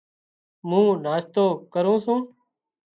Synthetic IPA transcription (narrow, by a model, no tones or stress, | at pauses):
mũːnaːst̪oːkəɾũːsũː